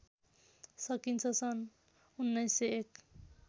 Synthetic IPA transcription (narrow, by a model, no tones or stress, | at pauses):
sʌkint͡sʰʌsʌn | unːʌjsːeek